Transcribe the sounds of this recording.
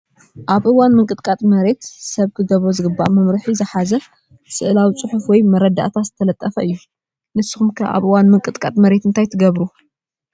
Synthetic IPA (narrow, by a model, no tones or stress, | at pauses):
ʔaβʔɨwanmɨŋkʼɨt̪kʼat̪ʼmɐɾe̞t̪sɐβkʰɨɡɐβɾozɨɡɨba̰ʔmɐmɾɨħizɨħazɐ | sɨʔlawit͡sʼɨħufwɔjmɐɾɐd̪a̰ʔt̪ʰat̪z̥ɨt̪ʰɐlɐt̪ʼːɐfɐʔɨjːu | nɨsːɨxumkʰaʔa̰βʔɨwanmɨŋkʼɨt̪ʼkʼat̪ʼmɐɾe̞t̪ɨnt̪ʰajt̪ʰɨɡɐβɾu